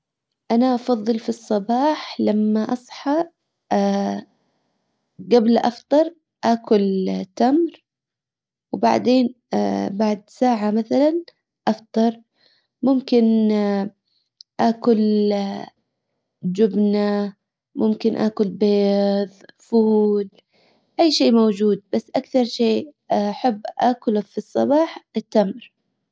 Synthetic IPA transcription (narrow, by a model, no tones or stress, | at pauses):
ʔanaʔɑfɑðˤːɨlfisˤːɑbɑːħlamːaʔɑsˤħɑ | ɡablʔɑft̪ˤɑɾˤ | ʔaːkʊlt̪amɾ | wba̰ʕd̪eːn | baʕd̪saːʕamaθalan | ʔɑft̪ˤɑɾˤ | mʊmkɪn | ʔaːkʊl | d͡ʒʊbna | mʊmkɪnʔa̰ːkʊlbeːðˤfuːl | ʔajːʃeːmawd͡ʒuːd̪̚basːʔakθɑɾˤʃeː | aħabːʔaːkʊlafisˤːɑbɑːħɪt̪ːamɾ